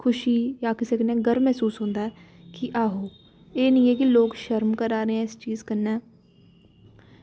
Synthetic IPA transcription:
kʰʊʃiːjaːkɪseːkɪneːɡəɾmɛːsuːsɦõːnd̪aːɛːkɪʔaːɦoː | eːnĩːeːkɪloːkʃəɾmkəɾaːɾeːɛ̃ːɪst͡ʃiːzkənɛː

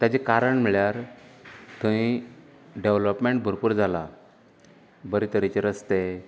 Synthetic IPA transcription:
t̪jat͡ɕekaɾəɳm̤iɭjaɾ | t̪ui | ɖeʋləpmeɳʈ̚bʱəɾpuːɾd͡zʱala | bəɾit̪əɾit͡ɕeɾəst̪e

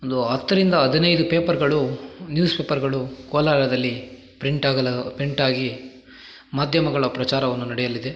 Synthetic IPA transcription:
ond̪uɐt̪ːɐɾind̪ɐɐd̪ʱinɐjd̪upeːpɐɾɡɐɭunjuːspeːpɐɾɡɐɭukoːlaːɾɐd̪ɐlːi | pɾiɳʈaːɡɐlɐpɾiɳʈaːɡi | maːd̪ʱjɐmɐɡɐɭɐpɾɐt͡ʃaːɾɐʋɐnːunɐɽɛjɐlid̪e

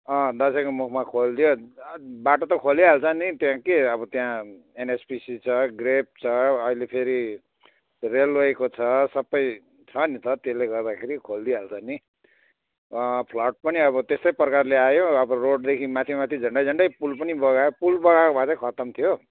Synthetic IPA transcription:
ʌ̃d̪ʌsʌkomukʰmakʰold̪ijobaʈot̪ʌkʰoliɦalt͡sʰʌnit̪jãkeʌbʌt̪jã | enespisit͡sʰʌɡrep̚t͡sʰʌːilepʰeɾi | reloekot͡sʰʌsʌbːʌj | t͡sʰʌnit̪ʌt̪esleɡʌrd̪akʰeɾikʰold̪iɦalt͡sʰʌni | pʰlʌʈ̚pʌniʌβʌt̪est̪ʌjprʌkarleajoʌbʌroɖ̚d̪ekʰimat̪ʰimat̪ʰid͡zʱʌɳɖʌjd͡zʱʌɳɖʌjpulpʌnibʌɡaopulbʌɣakobʱat͡sʰʌkʰʌt̪ʌmt̪ʰijo

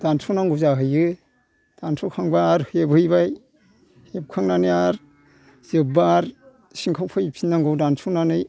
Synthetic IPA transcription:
d̥ansʰɔnaŋɡuzaɦɯjɯ | d̥ansʰɔkʰaŋbaɾhebhɯjbaj | hep̚kʰaŋnanɯjaɾ | z̥ɯbaɾ | siŋkʰawpʰɯjpʰinːaŋɡɯwdansʰɔnanɯj

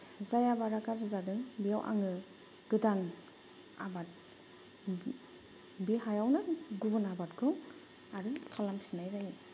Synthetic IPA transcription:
zajabaɾakaɾsɯzadɯŋbijawʔa̰ŋɯ | ɡ̥ɯdan | a̰bat̚ | biɦajawnɯɡubɯnabat̚ɡʰɯŋ | aɾɯkʰalamsinajzaji

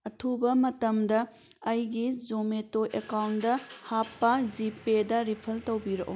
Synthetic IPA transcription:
ɐtʰubɐmɐtɐmdɐ | ɐjɡizometoʔekawndɐhapːɐd͡ʒipedɐɾipʰɐltɐwbiɾɐʔo̰

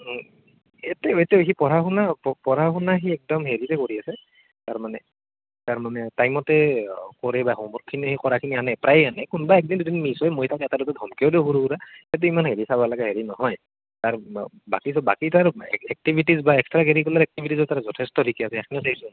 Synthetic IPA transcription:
etɛetɛoɦipɔɹaxunapɔpɔɹaxunaɦiɛk̚dɔmɦeɹitɛkoɹiasɛ | taɹmanɛ | taɹmanɛtajmɔtɛkɔɹɛbaxombɔɹkʰːinihikɔɹakʰinianɛpɹajeanɛkunbaɛk̚dindudinmisɔjmojtakɛtadɔtɔdʱɔmkiɔodeɦuɹuuɾaɛt̬uimanɦeɹisabalaɡɛɦeɹinɔɦɔj | taɹ | ba̰kisɔba̰kitaɹɛɛk̚tibʱitizbaɛkstɹaɡeɹikɔlaɹɛk̚tibʱitizɔtaɹazɔtʰɛstɔdʱikiasɛɛkʰniɛsaɦisʊ̃

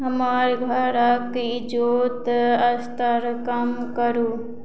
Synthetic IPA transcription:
ɦɐmaːɾɡʱɐɾɐkɪd͡ʒoːt̪ɐst̪əɾkamkɐɾuː

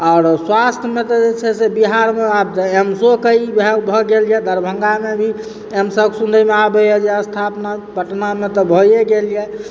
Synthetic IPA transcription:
ɔʊɾswast̪ʰjəmet̪ɔd͡ʒet͡ʃʰɛsebiɦaɾmeab̪emsokəibɛbʱɔɡeljɛd̪ʱəɾbʱəŋɡamebʱi | emsəbksũnd̪ʱəmeabeɛd͡ʒɛəst̪ʰapnapəʈnamet̪ɔbʱɔjeɡelijɛ

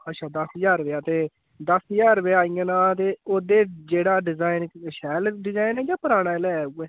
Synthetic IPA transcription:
ətːʃʰaːd̪əsjaːɾʋeːaːt̪eː | d̪əsəjaːɾʋeːaːĩːãːnãːt̪̬eːoːd̪eːd͡ʒeːɽaːɖɪzaːinʃɛːlɖɪzaːinɛːd͡ʒaːpəɾaːɽaːlɛːuɛː

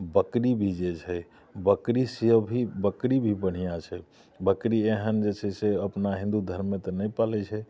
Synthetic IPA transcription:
bəkɾibʱid͡ʒet͡ʃʰɛ | bəkɾisiəbʱibəkɾibʱibəɽ̤ijat͡ʃʰɛ | bəkɾieɦənd͡ʒet͡ʃʰɛseəpnaɦĩnd̪ud̪ʱəɾmːet̪ɔnɛjpalɛt͡ʃʰɛ

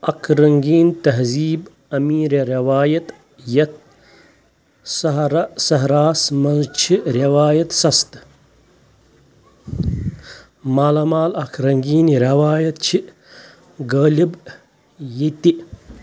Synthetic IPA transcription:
ɐkʰɾɐŋɡiːnt̪ɐɦziːb | ɐmiːɾɐɾɐʋaːjɐt̪ | jɐt̪̚ | sɐɦɾɐsɐɦɾaːsmɐnzt͡ʃʰiɾɐʋaːjɐt̪sɐst̪ | maːlɐmaːlɐkʰɾɐŋɡiːnɾʲɐʋaːjɐt̪̚t͡ʃʰi | ɡɐːlib | jit̪i

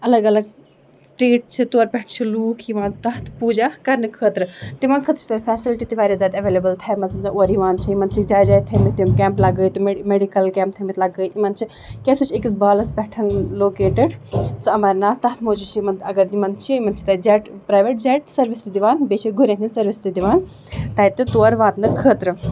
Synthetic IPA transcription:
ɐlɐɡɐlɐɡ | sʈeːʈ̚t͡ʃʰit̪oɾpɛʈʰt͡ʃʰiluːkʰiʋãːnt̪ɐɦt̪ʰpuːd͡ʒakɐɾnɨkʰət̪ɾɨt̪iʋãːnkʰət̪ɾt͡ʃʰt̪ɐfʰɛːsilʈit̪iʋaːɾjazʲaːt̪ɐʋelebɐlt̪ʰajmɐsɐmt̪ɐoɾiʋãːnt͡ʃʰiimɐnt͡ʃʰikd͡ʒaːjd͡ʒaːjt̪ʰɐmit̪imkʲɛ̃ːmplɐɡəjt̪uemeɖikɐlkɛːmp̚t̪ʰɐmit̪lɐɡəjt̪imɐnt͡ʃʰi | kɛsut͡ʃʰekis̬baːlɐspɛʈʰɐnloːkeːʈeɖsɨɐmɐːɾʲnaːt̪ɐɦt̪ʰmoːd͡ʒut͡ʃʰimɐnt̪ɐɡɐɾd̪imɐnt͡ʃʰiimɐnt͡ʃʰi̥t̪ɐːd͡ʒɛːʈpɾaːjʋeʈ̚d͡ʒɛːʈ̚sɐɾʋist̪id̪iʋaːnbet͡ʃʰiɡʱuɾʲẽnisɐɾʋist̪id̪iʋaːn | t̪ɐːit̪ɨt̪oːɾʋãːt̪nɨkʰːəːt̪ɾɨ

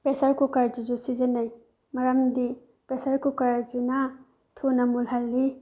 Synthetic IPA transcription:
pɾesaɾkukaɾd͡ʒid͡ʒusizenaj | mɐɾamdi | pɾesaɾkukaɾd͡ʒina | tʰunamulɦalːi

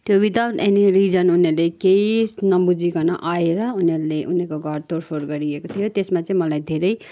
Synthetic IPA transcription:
t̪jobid̪awneniɾid͡zʌnunelekeisnʌbud͡zikʌnʌʔaeɾʌuneuleʔunekoɡʱʌrt̪orpʰorɡʌɾiekot̪ʰijot̪esmat͡sʌ̃ĩmʌlajd̪ʱeɾʌj

